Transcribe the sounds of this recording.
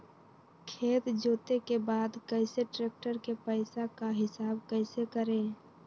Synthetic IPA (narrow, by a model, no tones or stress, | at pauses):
kʰeːt̪d͡ʒoːt̪ekebaːd̪kəɪseʈɾeːk̚ʈəɾkepəɪsakaɦɪsaːbkəɪsekəɾeː